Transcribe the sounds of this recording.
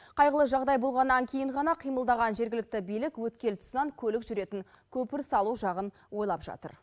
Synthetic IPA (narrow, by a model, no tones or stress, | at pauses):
qʰɑjʁəlˠəʒɑʁd̪ɑjbo̞lˠʁɑnːɑŋkʲʰe̞jɪŋɴʁɑnɑqʰijməlˠd̪ɑʁɑnʒe̞ɾɡʲɪlɪk̚t̪ɪbijlɪkwɵt̪kʲe̞lt̪ʰʊ̥sənɑŋkʲʰɵlɪkʒʏɾe̞t̪ɪŋ | kʲʰɵpɪɾsɑlˠuʒɑʁən | wo̞jlˠɑpʒ̥ɑ̰t̪ə̰ɾ